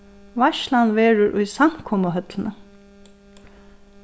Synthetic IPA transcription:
ʋaʃlanʋeːɻʊɹʔʊjsam̥kʰɔməɦœt̪lənə

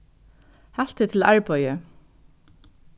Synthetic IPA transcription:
hal̥t̪ɪt̪ʰɪlaɹpɔjə

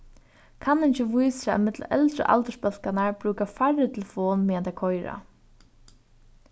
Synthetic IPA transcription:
kʰanɪɲt͡ʃɪʋujsaa̰mɪt̪l̰ɛ̰lt̪ɾə̰ʔa̰lt̪əʂpœl̥kanaɹpɾuːkafaɹːɪt̪ʰɪlfɔːnmɛant̪akʰɔjɾa̰

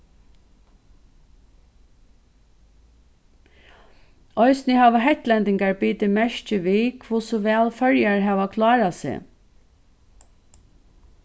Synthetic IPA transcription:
ɔʏsnɪhɑːʋəɦɛt̪lɛnd̪ɪŋɡaɹbiːt̪əmɛʃt͡ʃəʋiːkʰʋʊsʊʋæːlfœɹjaɹɦæːʋakʰlɑːɾasḛː

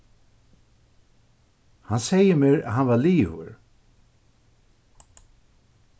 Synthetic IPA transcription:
hansɛjəmeːɹa̰ɦanvaliːhʊ̰ɹ

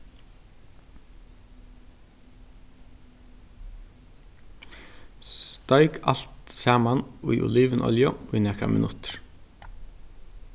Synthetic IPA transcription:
sst̪œʏkʰɑ̰lt̪sæːmɑnuiːʔʊ̰liːʋənʔɔ̰ljɔiːnɛːkɾɑ̰mʔɪ̰nʊt̪ɾ

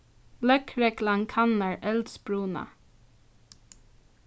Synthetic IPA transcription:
lœkɹɛklɑŋkʰɑnəɹʔɛld̪sbɹuːnɑ̰

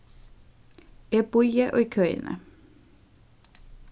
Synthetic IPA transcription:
eːbɔʏəʔo̰ːikʰœʏnə̰

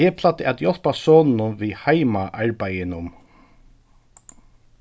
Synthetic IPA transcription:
ɛːpʰlat̪ɪat̪jɔl̥pasɔːnɪnʊmvihajmaʔaɹpajɪnʊm

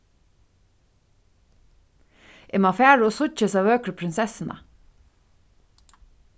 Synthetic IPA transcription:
ʔɛmɑfæːɹoːsʊc͡çəsɑːʋøːkɾəpʰɾɪnsɛsn̩ʔə̰

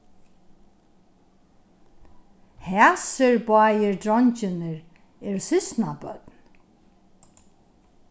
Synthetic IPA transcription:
hɛːsɪɹbɑːjɪɹd̪ɹɔɲt͡ʃɪnɪɹ | ɛɾʊsɪsnabœ̰t̪n

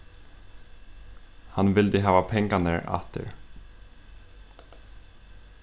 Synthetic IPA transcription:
hanvɪlt̪ɪɦaːvapʰɛŋkanɪɾa̰ht̪ɪ̰ɾ

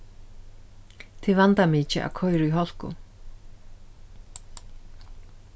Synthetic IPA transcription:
t̪ʰivant̪amiːt͡ʃɪʔa̰kʰɔjɾɪiɦɔl̥kʊ̰

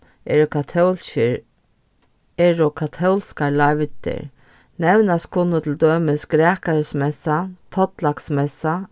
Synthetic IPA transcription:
ɛɾʊk̪ʰ | ɛɹʊkʰat̪ʰɔwlskaɹlaʋt̪ɪ̰ɾ | nɛwnaskʰʊnːʊt̪ʰɪld̪øːmɪskɾæːkaɾsmɛsat̪ʰɔt̪laksmɛsa

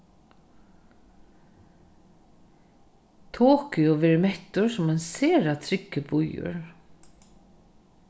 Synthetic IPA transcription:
t̪ʰoːkɪɔʋeːɾɪmɛt̪ʊɹsʊmæɪnseːɾat̪ʰɾɪkːəbʊjʊ̰ɹ

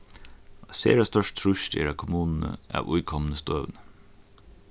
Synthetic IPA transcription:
ɑsḛːɾɑst̪œʃt̪ʰɾʊʃd̪ḛːɾɑkʰʊmuːnn̩ə̰ʔæ̰ːʋʔʊʏkʰɔmənəst̪øːʋənə

